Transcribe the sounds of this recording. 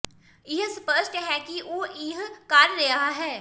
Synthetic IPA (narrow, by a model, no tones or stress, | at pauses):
ɪɦsʊpəɾʃʈɦɛkiʔoːʔiɦkaːɾːeaɦɛː